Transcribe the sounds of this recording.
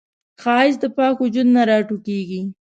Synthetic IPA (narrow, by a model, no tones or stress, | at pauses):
xɑɪzd̪əpɑkʊd͡ʒud̪naɾɑʈukeɡi